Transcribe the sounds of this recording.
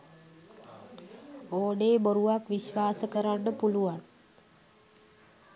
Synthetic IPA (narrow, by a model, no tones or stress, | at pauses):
oːɖeːboɾuʋakʋiɕʋaːsəkəɾaɳɖəpuluʋan